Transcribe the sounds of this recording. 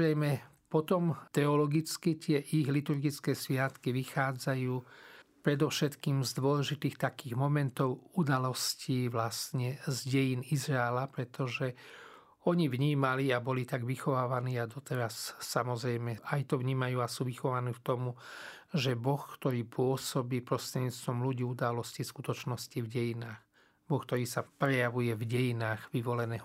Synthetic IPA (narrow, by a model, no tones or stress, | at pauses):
ɾɛjmɛ | pɔt̪ɔmt̪ɛɔlɔɡit͡skit̪ɪɛʔiɣlit̪uɾɡit͡skɛːsʋɪat̪kiʋixaːd͡zajuːpɾɛd̪ɔʊʃɛt̪kiːmzd̪ʊɔlɛʒit̪iːxt̪akiːɣmɔmɛnt̪ɔʊud̪alɔsciːʋlast̪ɲɛzɟɛjiːnizɾaɛlapɾɛt̪ɔʒɛ | ɔɲiʋɲiːmaliabɔlit̪aɡʋixɔʋaːʋaniːad̪ɔt̪ɛɾasːamɔzɾɛjmɛajt̪ɔʋɲiːmajuːasuːʋixɔʋaniːft̪ɔmu | ʒɛbɔxkt̪ɔɾiːpʊɔsɔbiːpɾɔst̪ɾɛɲiːt͡st̪ʋɔmluɟiːud̪alɔsciskut̪ɔt͡ʃnɔscivɟɛjinaːx | bɔxk̚t̪ɔɾiːsapɾɛjaʋujɛvɟɛjinaːɣʋiʋɔlɛnɛːɦ